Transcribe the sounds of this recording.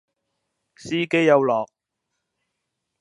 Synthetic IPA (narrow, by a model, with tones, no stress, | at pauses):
siː˥ke˥jːɐ˨˧wlɔː˨˩k̚